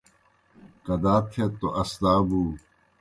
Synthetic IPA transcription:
kɐd̪aːkʰet̪ːoʔɐst̪aːbuː

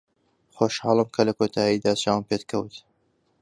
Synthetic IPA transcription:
xoːʃhɑːlˠɨmkʰɐlɐkʰot̪ʰaːjid̪aːt͡ʃawmpet̪kʰɐwt̪

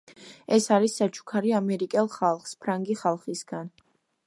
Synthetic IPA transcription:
ɛsaɾisːat͡ʃʰʼu̥kʰaɾiamɛɾikʼɛlˠχalˠχspʰɾaŋɡiχalˠχisɡ̥an

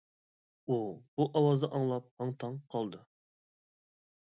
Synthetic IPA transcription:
ub̥uʔɑwɑzd̪ɑʔɑŋlˠɑp̚hɑŋt̪ʰɑŋqʰɑlˠd̪ɨ

